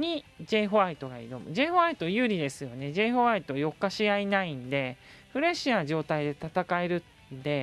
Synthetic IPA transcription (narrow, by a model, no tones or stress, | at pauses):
ɲ̟id͡ʑe̞ːɦo̞ait̪o̞ɡaḭd̪omɯ̰d͡ʑe̞ːɸoait̪o̞jɯ̟ːɾʲid̪e̞sɨjo̞ne̞d͡ʑe̞ːɸoait̪ojo̞kːaɕijainaĩnd̪e̞ɸɯ̟ɾe̞ɕiad͡ʑo̞ːt̪aid̪e̞t̪at̪akae̞ɾɯ̟ | nd̪e̞